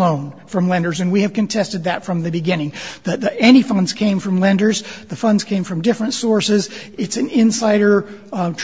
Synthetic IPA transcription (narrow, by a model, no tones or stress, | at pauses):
õʊ̃nfɹʌ̃mlɛ̃ndə˞zɨ̃nwiɨv̥kɨ̃ntʰɛstɨd̪̚ðɨtfɹʌ̃mðɨbɨɡɪ̃nɪ̃ŋðɨðiɛñifʌ̃ndz̥kʰẽɪ̃ɱfɹʌ̃mlɛ̃ndə˞zðɨfʌ̃ndz̥kʰẽɪ̃ɱfɹʌ̃mdɪfɹɨ̃ntsɔɹsɪzɨtsɨ̃nɪ̃nsaɪɾə˞tʰ